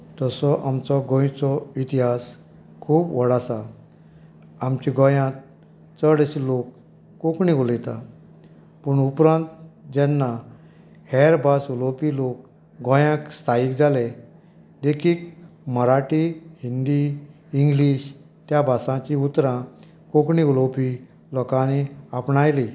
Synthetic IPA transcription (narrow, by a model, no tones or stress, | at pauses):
t̪əsɔʔamt͡sɔɡõjt͡sɔit̪iɦas | kʰuːpʋɔɽasa | amt͡ɕiɡɔ̃jãt̪̚ | t͡səɽɕlokː | okɳiolit̪a | pəɳupɾãnt̪d͡ʑɛnːa | hɛɾbasulopilok | ɡɔ̃jãkst̪ʰaiːkd͡zale | d̪ekʰiːkməɾaʈihind̪iː | ŋɡliːɕ | t̪jabʱasãt͡ɕiut̪ɾã | kokɳiulopi | lɔkãniapɳajli